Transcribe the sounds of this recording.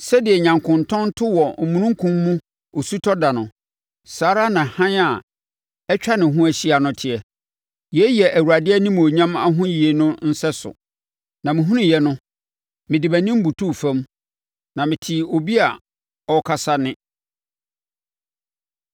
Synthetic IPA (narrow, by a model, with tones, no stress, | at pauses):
sɛ˦dɪ˨ɛ˨ɲã˨ŋkʰʊ̃˨ntʰɔ̃˦n˦tʰʊ˦wɔ˨mũ˨nũ˦ŋ̩˦kʰũ˦mːũ˦ | o˨su˦tʰɔ˦da˨nʊ̃˨ | saː˨˦ɾa˦nã˨hã˦na˨ | ɛ˦t͡ɕᶣa˦nɪ̃˨ɦʊ̃˦æ˨ɕi˦a˨nʊ̃˦tʰɪ˨ɛ˨ | jɛ˨˦jɛ˨ʔæ˨wu˨a˨dɪ˦ɛ˦nĩ˦m˨o˨ɲã˦ma˦ɦʊ̃˦ji˨e˨nʊ̃˦n̩˦sɛ˦sʊ̰˨ | nã˨mɪ̃˨ɦũ˦nɪ̃˦jɛ˦nʊ̃˦ | mɪ̃˨dɪ˨bæ˨nĩ˦m̩˦bu˨tʰu˦˨fã˦m | nã˨mɪ̃˨tʰɪ˨o˨bi˦a˨ | ɔ˦kʰa˨sa˦nɪ̃˦